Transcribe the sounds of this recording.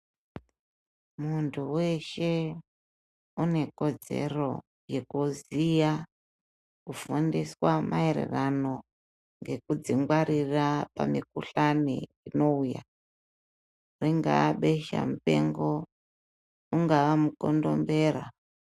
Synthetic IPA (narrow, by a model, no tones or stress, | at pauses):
muntʰuwe̞ʃe̞ | une̞ko̞d͡ze̞̰ro̞ | jekuzija | kufundiswamaeɾḛrano̞ | ŋɡe̞kud͡ziŋɡwaɾirapamik̚uɬanḭ | ino̞uja̰ | riŋɡa̰ːɓeʃa̰mupe̞ŋɡo | uŋɡaʋamukondo̞̰mbe̞ːra